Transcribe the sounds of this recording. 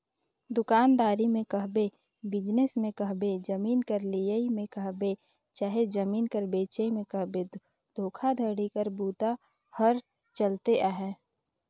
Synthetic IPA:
d̪ʊkaːnd̪aːɾimẽkəɦbe | bɪd͡ʒnəsmẽkəɦbed͡ʒəmiːnkəɾlijəimẽkəɦbe | t͡ʃaːɦed͡ʒəmiːnkəɾbeːt͡ʃəmẽkəɦbe | d̪̥ʱoːkʰad̪ʱəɽikəɾbuːt̪a | həɾ | t͡ʃəlt̪eʔaɦɛː

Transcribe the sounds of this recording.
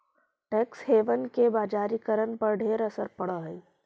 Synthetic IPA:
ʈɛːksɦeːʋənkebaːd͡ʒaːɾikəɾənpɐɾɖʱeːɾəsəɾpɐɽəɦ

